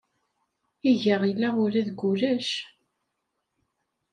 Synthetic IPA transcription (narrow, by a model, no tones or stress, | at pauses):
iʝəʁilːæʊɾæðɡulæʃ